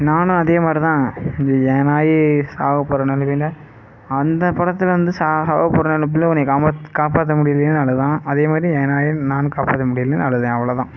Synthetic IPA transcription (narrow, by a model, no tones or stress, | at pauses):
naːnɯ̃ɐðeːmaːd̪ɾit̪ãːnjɛːnaːjisaːɣɐpːɔɾɐnɐlɐʋɪnɖɐ | ɐnd̪ɐpɐɽɐt̪ːɪlʋɐnd̪ɯsaːsaːɣɐpːɔɾɐnɐlɐp̬ːɪlːɐ̃ɔnɐkaːakaːpaːt̪̬ːɐmʊɽɪjɐlenɯnɐɭɐɯt̪ãːɐðeːmaːd̪ɾijɛnaːjɐnaːnɯ̃kaːpaːt̪ːɐmʊɽɪjɐlːennɐɭːɐðɯðẽɐʋɐɭɐːðãː